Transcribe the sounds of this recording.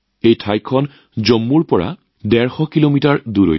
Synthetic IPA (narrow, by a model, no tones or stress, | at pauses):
ejtʰajkʰːɔn | zɔmːuɹpɔɹa̰ | dɛɹxɔkilomitaɹduɹo̰